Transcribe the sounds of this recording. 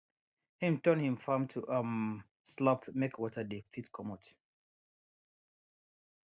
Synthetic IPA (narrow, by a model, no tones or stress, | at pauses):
hĩmtɔ̃nhĩmfamtʰuʔam | slɔpmekwɔtʰədefitkʰɔmɔt